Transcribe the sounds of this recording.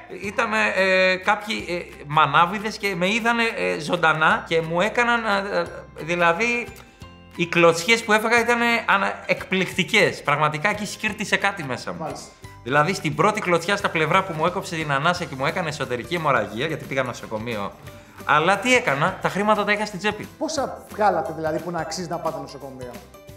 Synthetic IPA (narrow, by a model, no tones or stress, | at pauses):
it̪ɐnekɐpçi | mɐnɐviðe̞sce̞meiðɐne̞zo̞nd̪ɐnɐce̞mue̞kɐnɐn | ðilɐði | iklo̞t͡sçe̞spue̞feɣɐit̪ɐne̞ɐnekplikt̪ice̞spɾɐɣmɐt̪ikɐecisciɾt̪ise̞kɐt̪ime̞sɐ̰mu | ðilɐðist̪ibɾo̞t̪iklo̞t͡sçɐst̪ɐple̞vɾɐpumueko̞pse̞t̪inɐnɐsiɐce̞mue̞kɐneːso̞t̪e̞ɾicimo̞ɾɐ̰ʝiɐʝɐt̪ipiɣɐno̞so̞ko̞mio̞̰ | ɐ̰lɐt̪ie̞kɐnɐt̪ɐxɾimɐt̪ɐt̪ɐiçɐst̪id͡ze̞pḭposɐvɣɐlɐt̪eðilɐðipunɐːksiznɐpɐt̪enosoko̞mio